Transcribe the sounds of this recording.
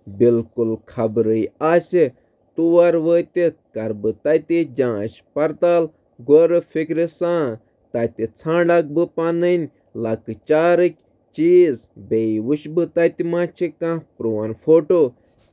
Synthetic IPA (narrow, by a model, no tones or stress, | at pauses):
bilkulkʰɐbɾɨjaːsʲi | t̪uʋɐɾʋəːt̪ikɐɾbɨt̪ɐt̪id͡ʒãːʃpɐɾt̪aːl | ɡoɾɨfikɾisãː | t̪ɐt̪ʲit͡sʰãːɳɖak̚bɨpanɨnʲ | lɐkɨt͡ʃaːɾɨkʲ | t͡ʃiːzbeːiʋuʃbɨt̪ɐt̪imaːt͡ʃʰikãpɾoːɐnfoːʈo